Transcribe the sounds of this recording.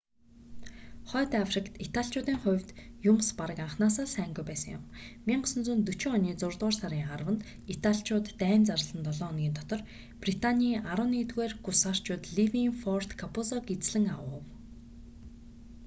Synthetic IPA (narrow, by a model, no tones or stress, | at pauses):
χœːt̪afʲrikt̪it̪ʰaɬt͡ɕʰʊːt̪iːŋχʊwʲt̪jʊmspaɾə̆kaɴχnaːsaːsæːŋɡujpæːsə̆ŋjʊ̰mmiːɴɢʊsɵ̆nt͡suːnt̪ɵt͡ɕɪ̆ɔniːt͡sʊrt̪ʁʊːrsaɾʲiːŋɴχarwə̆nt̪ | it̪ʰaɬt͡ɕʰʊːt̪ːæːmt͡saɾə̆ɮə̆nt̪ɔɮɔːnɡʲiːnt̪ʰɔt̪ɞ̆r | prit̪ʰanʲiːʔaɾə̆wniːt̪ɣueːrɡusar̥t͡ɕʊːt̪ɮiwiŋfɔr̥t̪kʰapʊsɔkit͡sɮɘ̆ŋawʊ̰w